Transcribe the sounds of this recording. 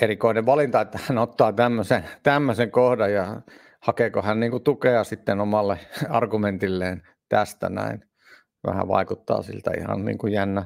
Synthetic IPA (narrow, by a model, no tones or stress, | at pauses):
erikoineʋʋɑlint̪ɑet̪ːæhænot̪ːɑːt̪æmːøset̪æmːøseŋkohdɑjjɑ | hɑkeːkohænniːŋkut̪ukeɑsit̪ːenomɑlːeɑrɡument̪ilːeːn | t̪æst̪æ̰næ̰in | ʋæ̰hæ̰ʋɑ̰ikut̪ːɑ̰ːsḭlt̪æ̰ḭhɑ̰nnḭːŋkujjænːæ